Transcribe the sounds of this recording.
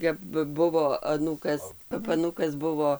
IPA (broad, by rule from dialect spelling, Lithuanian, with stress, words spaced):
kɐp ˈbʊʋoː ɐˈnuːkɐs kɐp ɐˈnuːkɐs ˈbʊʋoː